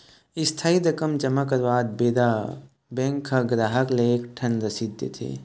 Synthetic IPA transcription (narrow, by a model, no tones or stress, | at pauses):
ɪst̪ʰaːiɾəkəmd͡ʒəmːakəɾbaːd̪̚beːd̪a | bẽŋkʰːaɡɾaːɦəklekʈʰənɾəsid̪ʱjḛt̪ʰḛ